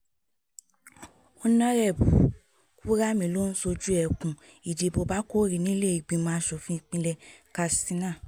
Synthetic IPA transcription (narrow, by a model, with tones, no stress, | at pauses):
o˧˦nã˦ɾɛ˦˨bu˨˦ | ku˦ɾa˦mĩ˧˨lo˦n̩˦so˧d͡ʒu˦ɛ˧˨kũ˨ | i˨de˨˧bo˧ba˦ko˦ɾi˨˧nĩ˦le˦˨i˨ɡ͡bĩ˧˦mãː˦ʃɔ˧˨fĩ˧˦˧k͡pĩ˧lɛ˧ka˧sĩ˦nã˦˨